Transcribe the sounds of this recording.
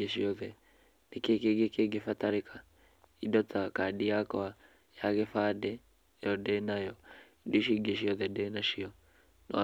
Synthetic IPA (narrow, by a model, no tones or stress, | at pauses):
eʃiɔðɛ | nekekeɡekeɡefataɾekʰa | idɔtakadiakɔa | jaɣefadɛ | jɔdɛnajɔiduʃiɡeʃ̬iɔðɛdɛnaʃiɔ | nɔ